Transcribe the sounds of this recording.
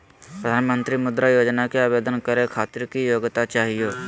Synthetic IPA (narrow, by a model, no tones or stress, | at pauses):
pɾəd̪ʱaːnmə̃nt̪ɾimʊd̪ɾajoːd͡ʒnakeaːʋeːd̪ənkəɾekʰaːt̪ɪɾkijoːɡt̪at͡ʃaːɦijoː